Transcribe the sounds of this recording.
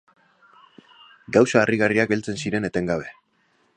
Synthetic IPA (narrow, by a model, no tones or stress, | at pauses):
ɡawsaːriɣariakɡe̞lt͡se̞nsiɾe̞ne̞t̪e̞ŋɡaβ̞e̞